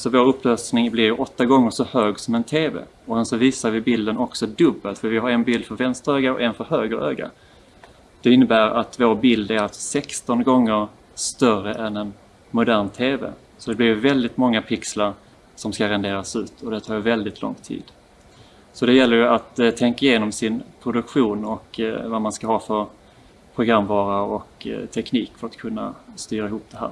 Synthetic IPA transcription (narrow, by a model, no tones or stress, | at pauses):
sɔvoːɾɵpːløːsnɪŋblɪɾjɵʔɔt̪ːaɡɔŋːəʂɔhøːɡsɔmɛnt̪ʰeːvḛː | ɔsɛnsɔviːsaɾvɪbɪld̪ənɔksɔd̪ɵbːəlt̪fœɾvɪɦaɾɛnbɪld̪fœɾvɛnst̪əɾøːɡaɔ̰ʔɛnfœɾhøːɡəɾʔø̰ːɡa̰ | d̪̥ɛɪnːəbæːɾat̪voːɾbɪld̪æɾat̪sɔ̥sɛkst̪ɔnɡɔŋːəɾ | st̪œrəʔɛnɛn | mʊd̪æːɳt̪ʰeːvɛ̰ | sɔd̪ɛblɪɾjɵvɛld̪ɪt̪mɔŋːapʰɪkslaɾ | sɔmskaɾɛnd̪eːɾasʉ̟ːt̪ʰɔd̪ɛt̪ʰɑːɾjvɛld̪ɪt̪ʰlɔ̰ŋt̪ʰḭːd̪̥ | sɔd̪ɛjɛlːəɾjɵat̪t̪ʰːɛŋkaɪjeːnɔmsɪnpʰɾʊd̪ɵkɧuːnɔkvamanskaɦɑːfœɾ | pʰɾʊɡɾamvɑːɾaɔkt̪ʰɛkniːkfœɾat̪kʰɵnːa̰st̪yːɾaɪɦuːp̚d̪ɛɦæ̰ːɾ